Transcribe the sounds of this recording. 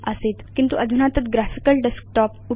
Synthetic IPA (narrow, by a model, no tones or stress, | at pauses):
əset̪kint̪uʔəd̪ʱunat̪ət̪ɡɾafikəlɖesk̚ʈɔpu